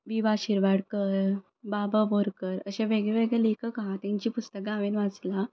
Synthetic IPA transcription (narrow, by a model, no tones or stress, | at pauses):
ʋiʋaɕiɾʋaɽkəɾ | bababoɾkəɾəɕẽʋeɡɭeʋeɡɭɛlekəkaɦãt̪ãɲt͡ɕiːpust̪ək̚ɡaʋenʋat͡sla